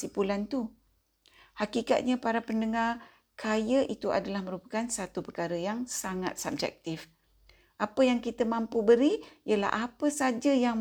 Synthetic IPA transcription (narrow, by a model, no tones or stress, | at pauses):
sipulant̪u | hakika̰t̪̚ɲapaɾapəndəŋar | kʰajəʔit̪uʔa̰dalahməɾupḁkansat̪upərkaɾəjaŋsaŋa̰t̪̚sab̚d͡ʒɛ̰k̚t̪ɪf | ʔapəjaŋkit̪əmãmpubəɾiiəla̰hʔapəsad͡ʒəjaŋ